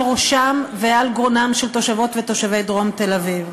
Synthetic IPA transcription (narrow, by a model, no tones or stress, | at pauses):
ʁoʃamvealɡonamʃelt̪o̞ʃavo̞t̪vet̪o̞ʃavejd̪ʁo̞mt̪elaviv